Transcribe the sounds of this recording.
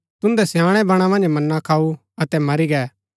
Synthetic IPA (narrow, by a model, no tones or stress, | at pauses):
t̪ʊ̃nd̪ɛsjãːɽ̃ɛbɐɽ̃ãmɐ̃nd͡ʒmɐnːãkʰaːu | ɐt̪ɛmɐɾiɡɛː